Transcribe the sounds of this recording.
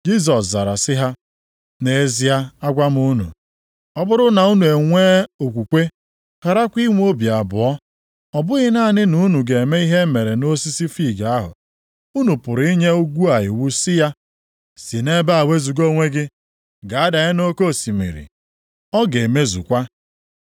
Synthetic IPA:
d͡ʒi˦s̬ɔ˨sza˨ɾa˨sɪ˦ɦa˦ | ne˨˦zi˦a˦a˦ɡʷa˦m˦u˦nṵ˨ | ɔ˦bʊ˦ɾʊ˦na˨u˦nu˨e˨ŋʷe˦o˨kʷu˨kʷe˦ | ka˨ɾa˦kʷi˦ŋʷ˦o˦bja˨bʊ˨ɔ˦ | ɔ˨bʊ˦ɣɪ˦na˦˨nɪ˦nu˨˦nu˨ɡe˨e˨me˦i˦ɦe˦me˨ɾe˨no˦si˦si˦fi˦˨ɡa˨a˦ɦʊ̰˨ | u˦nu˨pʊ˨ɾi˦ɲe˦u˦ɡʷu˦a˨ɦɪ̰˨wu˦sɪ˦ja˦ | si˨ne˦ba˦a˨we˦zu˨ɡo˦ŋʷe˦ɡɪ˦ | ɡa˨a˦da˨ɣe˦no˦ko˦˨si˨mḭ˨ɾḭ˨ | ɔ˦ɡe˨me˦zṵ˨kʷa˦

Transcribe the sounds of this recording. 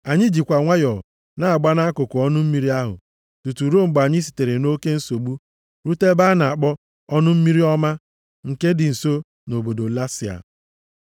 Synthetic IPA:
a˨ɲɪ˦d͡ʒi˨kʷa˨ŋʷa˦jɔ˨ | na˦a˨ɡ͡ba˦na˦kʊ˨kʊ˨ɔ˦nʊ˦m̩˦mi˦ɾi˦a˦ɦʊ̰˨ | tu˨tu˨ɾo˦ŋ͡m̩˨ɡ͡ba˨ɲɪ˦si̥˨te˨ɾe˨no˦ke˦n̩˦so˨ɡ͡bu˦ | ɾu˦te˦ba˦na˨a˨k͡pɔ˦ | ɔ˦nʊ˦m̩˦mi˦ɾi˦ɔ˦ma˦ | ŋ̩˨ke˦dɪ˨n̩˨so˦ | no˨bo˨do˨la˦sɪ˨a̰˨

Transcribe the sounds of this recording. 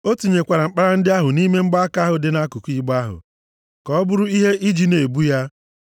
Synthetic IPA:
o˦tu˨ɲe˨kʷa˨ɾa˨ŋ͡m̩˦k͡pa˦ɾa˦n̩˦dɪ˦a˦ɦʊ˨ni˦me˦ŋ͡m̩˦ɡ͡ba˦a˦ka˦ɦʊ˨dɪ˦na˦ku˨kʷi˦ɡ͡ba˦ɦʊ̰˨ | kɔ˨˦bʊ˦ɾʊ˦i˦ɦe˦ʔi˦d͡ʒi˨ne˨bu˦ja˦

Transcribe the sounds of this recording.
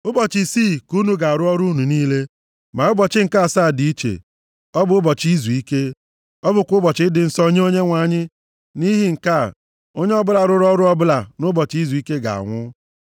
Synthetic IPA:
ʊ˦bɔ˨t͡ʃɪ˨siː˦˨ku˦nu˨ɡa˨ɾʊ˦ɔ˦ɾu˦nu˨niː˦le˦ | ma˨ʊ˦bɔ˨t͡ʃɪ˦ŋ̩˨ka˦˨saː˦˨di˨i˦t͡ʃḛ˨ | ɔ˦bʊ˨ʊ˦bɔ˨t͡ʃi˦zu˨i˦ke˦ | ɔ˦bʊ˨kʷʊ˦bɔ˨t͡ʃɪ˦dɪ˨n̩˦sɔ˦ɲe˦o˦ɲe˦ŋʷa˨ɲɪ˦ | ni˦ɦi˦ŋ̩˨ka˦˨ | o˦ɲe˦ɔ˦bʊ˦la˨ɾʊ˦ɾʊ˦ɔ˦ɾʊ˦ɔ˦bʊ˦la˨nʊ˦bɔ˨t͡ʃi˦zu˨i˦ke˦ɡa̰˨a̰˨ŋʷʊ˦

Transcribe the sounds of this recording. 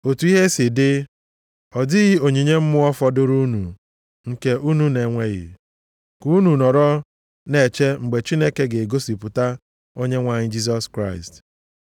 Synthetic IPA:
o˨tu˨˦i˦ɦe˦sɪ˨dɪ˦ | ɔ˨dɪ˦ɣi˦o˨ɲi˨ɲe˦m̩˦mʊ˦ɔ˦fɔ˦dʊ˦ɾu˦nu˨ | ŋ̩˨ke˦ʔu˦nu˦ne˨ŋʷe˦ɣɪ̰˨ | ku˨˦u˦nu˨nɔ˨ɾɔ˦ | ne˨t͡ʃe˦ŋ͡m̩˨ɡ͡be˨t͡ʃi˦ne˦ke˦ɡe˨ɡo˦si˨pʊ˨ta˦ | o˦ɲe˦ŋʷa˨ɲɪ˦d͡ʒi˦s̬ɔ˦skɾa˦˨ɪ˨st

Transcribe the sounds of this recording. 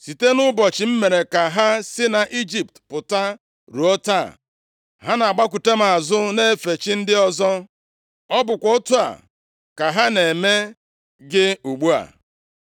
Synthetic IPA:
si˨te˦nʊ˦bɔ˨t͡ʃɪ˨m̩˦me˨ɾe˨ka˨ɦa˦sɪ˦na˨ʔi˦d͡ʒi˨p̚tpʊ˨ta˦ | ɾu˨ɔ˦ta˦˨ | ɦa˦na˨a˨ɡ͡ba˦k̬u˨te˦m̩˦a˨zʊ˦ne˦fe˨t͡ʃi˦n̩˦dɪ˦ɔ˦zɔ˦ | ɔ˦bʊ˨kʷɔ˨o˦tu˦a̰˨ | ka˨ɦa˦ne˨me˦ | ɡɪ˦u˨ɡ͡bu˦a̰˨

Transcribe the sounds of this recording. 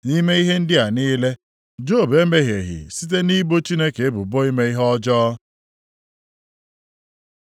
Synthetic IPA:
ni˦me˦i˦ɦe˦n̩˦dɪ˦a˨niː˦le˦ | d͡ʒo˦˨be˨˦me˦ɦje˨ɦḭ˨si˦t̬e˦ni˦bo˦t͡ʃi˦ne˦ke˨e˦bʊ˨bo˦i˦me˦i˦ɦɔ˦d͡ʒɔː˦

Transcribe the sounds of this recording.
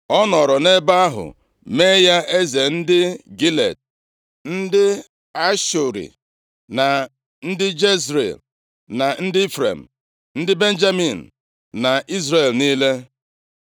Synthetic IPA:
ɔ˦nɔ˨ɾɔ˨ne˦ba˦a˦ɦʊ̰˨ | me˦ja˦ʔe˦ze˨n̩˦dɪ˦ɡi˦lḛ˨d̚ | n̩˦dɪ˦ | a˦ʃʊ˨ɾḭ˨ | na˨ | n̩˦dɪ˦d͡ʒe˦sɾḛ˨l | na˨n̩˦dɪ˦fɾḛ˨m̩˨ | n̩˦dɪ˦be˦n̩˦d͡ʒa˦mi˨n̩˨ | na˨i˦zɾe˦˨lniː˦le˦

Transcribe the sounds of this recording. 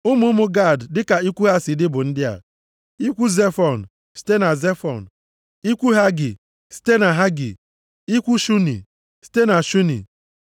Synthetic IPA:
ʊ˦mʊ˦mʊ˦ɡa˦˨ddɪ˦ka˨i˦kʷu˦ɦa˦si˨dɪ˦bʊ˨n̩˦dɪ˦a̰˨ | i˦kʷu˦ze˦fɔ˨n̩˨ | si̥˦te˦na˨ze˦fɔ̰˨n̩˨ | i˦kʷu˦ɦa˦ɡɪ̰˨ | si̥˦te˦na˨ɦa˦ɡɪ̰˨ | i˦kʷu˦ʃu˦nḭ˨ | si̥˦te˦na˨ʃu˦nḭ˨

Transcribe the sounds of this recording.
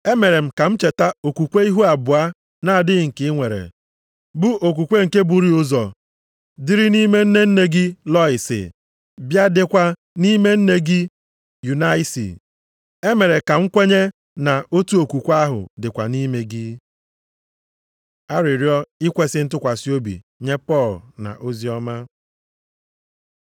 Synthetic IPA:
e˦me˨ɾe˨m̩˨ka˨m̩˦t͡ʃe˨ta˦o˨kʷu˨kʷe˦i˦ɦu˦a˨bʊ˨a˦ | na˦a˨dɪ˦˨ŋ̩˨kɪ˨˦ŋʷe˨ɾḛ˨ | bʊ˦ʔo˨k̬u˨kʷe˦ŋ̩˨ke˦bu˨ɾi˦ʊ˦zɔ˨ | dɪ˦ɾɪ˦ni˦me˦n̩˦ne˦n̩˦ne˦ɡɪ˦lɔ˦ɪ˨sɪ̰˨ | bja˦dɪ˦kʷa˦ | ni˦me˦n̩˦ne˦ɡɪ˦ | ju˨na˦i˦sḭ˨ | e˦me˨ɾe˨ka˨ŋ̩˦kʷe˦ɲe˦ | na˨o˦tu˦o˨kʷu˨kʷa˦ɦʊ̰˨dɪ˨kʷa̰˨ni˦me˦ɡɪ˦ | a˦ɾɪ˨ɾjɔ˦i˦kʷe˦sɪ˦n̩˦tʊ˦kʷa˨si˦o˦bḭ˨ | ɲe˦pɔ˦˨lna̰˨ʔo˦zi˦ɔ˦ma˦

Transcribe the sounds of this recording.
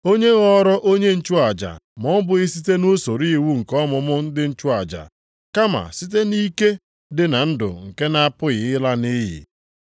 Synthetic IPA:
o˦ɲe˦ɣɔ˦ɾɔ˦ʔo˦ɲe˦n̩˦t͡ʃu˦a˨d͡ʒa̰˨mɔ˦m˦bʊ˨ɣɪ˦si˦te˦no˦so˨ɾi˦wu˦ŋ̩˨kɔ˦mʊ˨mʊ˦n̩˦dɪ˦n̩˦t͡ʃʊ˦a˨d͡ʒa̰˨ | ka˦ma̰˨si˦t̬e˦ni˦ke˦ | dɪ˨na˨n̩˦dʊ̰˨ŋ̩˨ke˦na˦pʊ˦ɣɪ˨ɪ˦la˦ni˦ɦḭ˨

